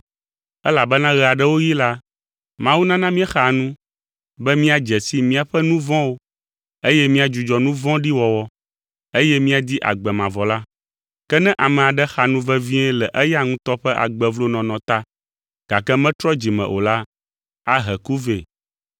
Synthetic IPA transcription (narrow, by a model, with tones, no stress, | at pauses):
ɛ˦la˨bɛ˦nã˦ɣɛ˨a˨ɖɛ˦wo˦ji˦la˦ | mã˦wu˦nã˦nã˦mĩ˦ɛ˦xa˨nũ˦ | bɛ˦mĩ˦a˨d͡ʒɛ˨si˦mĩ˦a˨ɸɛ˦nũ˦vɔ̃˦wo˦ | e˦jɛ˦mĩ˦a˨d͡ʒu˨d͡ʒɔ˨nũ˦vɔ̃˦ɖi˦wɔ˨wɔ˦ | e˦jɛ˦mĩ˦a˨d̪i˦ʔa̰˨ɡ͡bɛ˨mã˨vɔ˨la˦ | kɛ˦nɛ̃˦ʔa˨mɛ̃˨a˨ɖɛ˦xa˨nũ˦vɛ˦vĩ˦ɛ˦lɛ˨ʔɛ˦ja˦ŋũ˦t̪ɔ˦ɸɛ˦ʔa̰˨ɡ͡bɛ˨vlo˦nɔ̃˨nɔ̃˨t̪a˦ | ɡ̥a˨kɛ˦mɛ̃˦t̪ɾɔ˦d͡ʒi˨mɛ̰̃˨ʔo̰˨la˦ | a˦ɦɛ˨ku˦ve˨